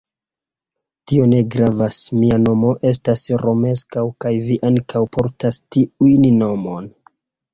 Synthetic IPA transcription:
tio̞ne̞ɡɾavasmiano̞mo̞ʔe̞s̬tasɾo̞me̞skawkajviʔaŋkʰawpʰo̞ɾtastiujnno̞mon

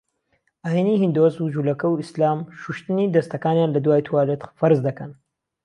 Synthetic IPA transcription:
ʔahenihind̪ozud͡ʒulɐkɐwislaːmʃuʃt̪ɨnid̪ɐst̪ɐkaːnjaːnlɐd̪waːjt̪ʰwaːlet̪fɐɾɨzd̪ɐkɐn

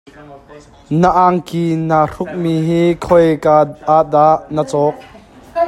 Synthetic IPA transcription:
nəʔaŋkinar̥ʊk̚miɦiːkʰɔjkaaʔd̪aʔnət͡sɔːk̚

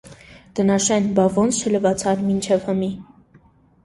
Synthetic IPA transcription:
d̪̥ənɑʃɛnbɑvɔnt͡sʰt͡ʃʰələvɑt͡sʰɑɾmint͡ʃʰɛvhəmi

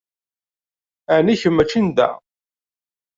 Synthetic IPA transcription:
æniçəmːæt͡ʃːind̪æ̰

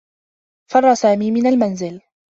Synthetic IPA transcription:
fɑrˤːɑsaːmiːmɪnalmanzɪl

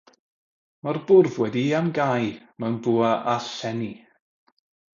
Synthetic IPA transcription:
marbʊrvwɛdiamɡajmanbuːaʔaɬɛni

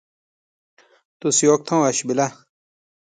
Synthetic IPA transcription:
t̪usjoːk̚t̪ʰõːʋɐɕbilɐ

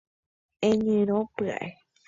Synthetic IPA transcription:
ẽɲɨ̃ɾ̃õpɨa̰ʔe

